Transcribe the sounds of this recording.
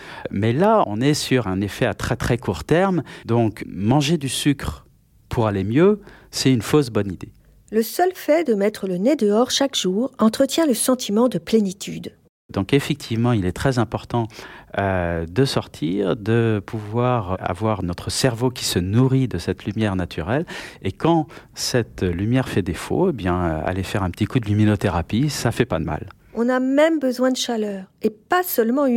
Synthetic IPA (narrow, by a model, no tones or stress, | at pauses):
mɛlaɔ̰̃nɛsyʁɛ̃nefɛat̪χɛt̪χɛkʰuʁt̪ɛʁmd̪ɔ̃kmɑ̃ʒed̪ysykχ | pʰuʁalemjøsɛynfosbɔnid̪e | ləsœlfɛd̪əmɛt̪χələned̪əɔʁʃakʒ̥uːʁɑ̃t̪χət̪jɛ̃ləsɑ̃t̪ʰimɑ̃d̪əplenit̪ʰyd̪ | d̪ɔ̃kefɛk̚t̪ʰivmɑ̃ilɛt̪χɛzɛ̃pɔʁt̪ɑ̃ød̪əsɔʁt̪ʰiʁd̪əpʰuvwaʁa̰vwaʁnɔt̪χəsɛʁvokʲi̥sənuʁid̪əsɛt̪lymjɛʁnat̪ʰyʁɛlekɑ̃ | sɛt̪lymjɛʁfɛd̪efo̰ebjɛ̃øa̰lefɛʁɛ̃pə̥t̪ikud̪əlyminot̪eʁapisafɛpad̪əma̰l | ɔ̃namɛmbəzwɛ̃d̪əʃalœːʁepasœlmɑ̃